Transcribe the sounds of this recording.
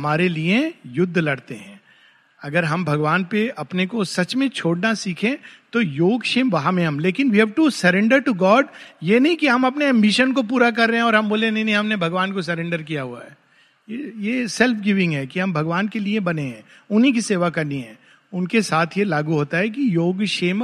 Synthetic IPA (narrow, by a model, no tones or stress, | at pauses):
ɦɐmaːɾeliẽjʊd̪ʱːlɐɽt̪eɦɛ̰̃ː | ɐɡəɾɦɐmbʱɐɡʋaːnpeʔɐpnekosɐt͡ʃmẽt͡ʃʰoːɽnasiːkʰẽt̪ojoːɡʃeːmʋɐɦamẽɦɐmleːkɪnʋiɦɛʋʈusɐɾɛ̃ɳɖəɾʈuɡɔːɖjenɐɦĩkiɦɐmɐpneɛ̃mbiʃənkopuːɾak̬ɐɾːɛɦɛ̃ɔːɾɦɐ̃mboːlẽnɐɦĩnɐɦĩɦɐmnebʱɐɡʋaːnkos̬ɐɾɛ̃ːɳɖəɾkijaɦua̰ɦɛː | jejeːsɛlfʰɡɪʋɪ̃ŋɡɦɛːkiɦɐ̃mbʱɐɡʋaːnkeliebɐneɦɛ̃ːʊnɦik̬iseːʋakɐɾniɦɛ̰̃ː | ʊnkesaːt̪ʰjelaːɡuɦoːt̪aɦɛk̬ijoːɡʃeːm